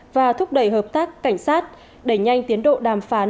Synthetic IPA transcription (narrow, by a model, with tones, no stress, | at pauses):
vaː˨˩t̪ʰʊ˦˥k͡p̚ɗə˧˩jɦəː˨˩p̚t̪aː˦˥kːa˧˩jŋ̟saː˦˥t̚ | ɗə˧˩jɲa˧jŋ̟t̪i˨˦ənɗo̰˧˨ɗaː˨˩mfaː˨˦n